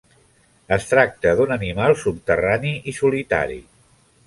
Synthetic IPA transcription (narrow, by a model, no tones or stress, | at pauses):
əst̪ɾak̚t̪əðunənimalˠsup̚t̪əraniʔisulit̪a̰ɾḭ